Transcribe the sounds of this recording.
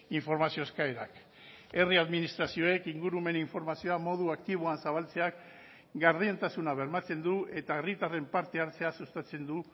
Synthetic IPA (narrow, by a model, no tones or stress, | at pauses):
iɱfo̞ɾmasio̞eskaeɾak | e̞riaðminist̪ɾasio̞e̞kiŋɡuɾume̞niɱfo̞ɾmasio̞amo̞ðuakt̪iβ̞oansaβalt͡se̞ak | ɡaɾðient̪asunaβe̞ɾmat͡se̞nd̪uet̪aerit̪are̞mpaɾt̪e̞aɾt͡se̞asust̪at͡se̞nd̪u